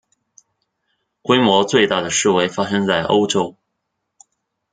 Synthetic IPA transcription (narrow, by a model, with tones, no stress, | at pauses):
kwe˥ɪmwɔ˧˥t͡swe˥˧ɪt̪a˥˩d̪ə˩ʂɻ̩˥˩we˧˥˩ɪfa˥ʂɤ˥ŋt͡sa˥˩ɪʔo̰˥ʊʈ͡ʂo˥ʊ